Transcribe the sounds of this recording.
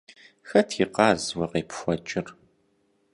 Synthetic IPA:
xɐtʰiːqɑːzwɐqeːpxʷɔt͡ʃʼɪr

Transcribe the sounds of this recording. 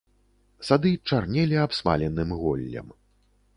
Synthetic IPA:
sad̪ɨt͡ʂarnʲɛlʲiapsma̰lʲɛnɨmɣɔ̰lʲːɐ̰m

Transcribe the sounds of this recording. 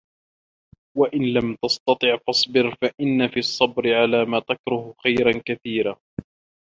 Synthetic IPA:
waʔɪnlamt̪ɑst̪ɑt̪ˤɨʕfɑsˤbɪɾfaʔɪnːafiːɑsˤːɑbɾɪʕalaːmaːt̪akɾʊhxajɾankaθiːɾaː

